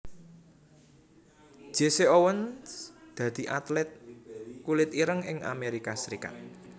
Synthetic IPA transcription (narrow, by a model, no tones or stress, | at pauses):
ʒ̥eseowənsd̪̥ä̤d̪̥i̤ʔat̪lɛt̪̚kulɪt̪iɾəŋɪŋa̰meɾikasəɾika̰t̪̚